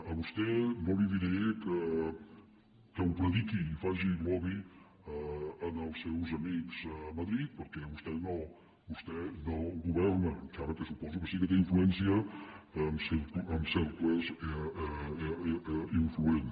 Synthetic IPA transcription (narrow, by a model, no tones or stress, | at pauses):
əβust̪ɛbɔβiβiɾeekə | kəwpɾəðikiːfaʒimɔβi | nəlˠsːewzɐmikz̥əmɐðɾit̪̚pəɾkɛβust̪ɛno | bust̪ɛnəɣuβɛɾnəkaβəkəsupɔzukəsikət̪̬eiɱfluɛnsiə | mseəmsɛwkezɛ | iɱfluen